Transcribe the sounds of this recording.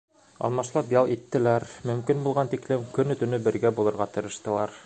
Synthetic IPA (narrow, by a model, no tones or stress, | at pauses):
ɑ̰lˠmɑʃlˠɑpjɑlˠit̪ːɘ̆læɾmɵ̆mkinbulˠʁɑnt̪iklɘmkɵnɵ̆t̪ɵ̆nɵbɘ̆ɾɡæbulˠɤ̆ɾʁɑt̪ɤ̆ɾɤ̆ʃt̪ɤ̆lˠɑɾ